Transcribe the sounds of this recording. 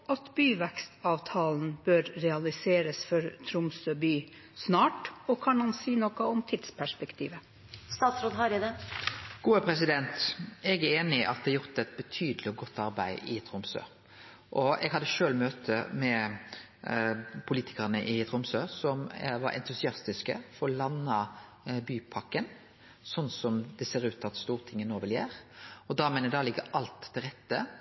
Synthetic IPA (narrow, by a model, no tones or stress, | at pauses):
ɑt̪byːʋækst̪ɑːʋt̪ʰɑːln̩bøːɾɾɛɑlɪseːɾəsfɔɾt̪ʰɾʊmsøbyː | snɑːʈɔkʰɑnɑnsiːnɔkəɔmt̪ʰɪd̪spʰæʂpɛkt̪ʰiːʋə | st̪ɑːt̪sɾoːd̪ɦɑɾɪd̪ɛɡ̥uːəpʰɾɛs̬ɪd̪ɛnt̪ɛɡæeːnɪʔɑ̰t̪̚d̪ɛɑjʊʁt̪ɛt̪̚bət̪ʰyːd̪əlɪɔɡɔt̪ːɑɾbæ̰ɪɪt̪ʰɾʊmsø̰ː | ʔɔɛɡhɑd̪ːəʃøːlmøːt̪ʰəmɛ | pʰʊliːt̪ʰɪ̥kɑɾənəʔɪt̪ʰɾʊmsøːsɔmʋɑ̰ɾʔɛ̰nt̪ʉsɪɑst̪ɪskə̰fɔɾɔlɑnːɑ | byːpʰɑkən | sɔnːsɔmd̪ɛseːɾʉːt̪ɑt̪st̪uːʁt̪ʰɪŋːənoːʋɛljæːɾɔd̪ɑːmæɪnəd̪ɑːlɪɡːəʔɑlt̪ʰːɪlʁɛt̪ːə